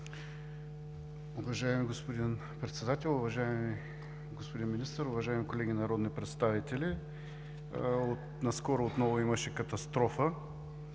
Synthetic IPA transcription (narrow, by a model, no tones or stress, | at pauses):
ʊvɐʒaɛmiɡospod̪in | pɾɛt̪sɛd̪at̪ɛlˠʊvɐʒaɛmi | ɡospod̪inminist̪əɾʊvɐʒaimikolɛɡʲinɐɾɔd̪nipɾɛt̪st̪avit̪ɛli | ot̪ | nɐskɔɾoot̪nɔvʊimɐʃɛkɐt̪ɐst̪ɾɔfə